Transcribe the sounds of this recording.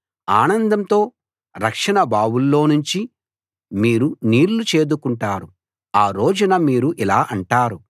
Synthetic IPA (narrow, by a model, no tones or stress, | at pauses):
aːnɐnd̪ɐmt̪o̞ː | ɾɐkʂɐɳɐbʱaːwulːo̞ːnuɲt͡ʃi | miːɾuniːɾlut͡ʃe̞ːd̪ukuɳʈaːɾu | aːɾo̞ːd͡ʒunɐmiːɾuʔilaːʔɐɳʈaːɾu